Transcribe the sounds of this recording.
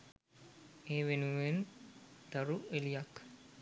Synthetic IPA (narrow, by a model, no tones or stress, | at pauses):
eːʋenuʋend̪̥aɾuʔelijakː